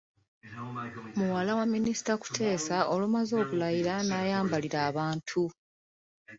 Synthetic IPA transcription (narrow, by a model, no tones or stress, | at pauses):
muwalawamːinisi̥taku̥tʰe̞ːsaʔo̞lumazo̞ːβulajiɾanajaːmbaliɾaːβaːntʰu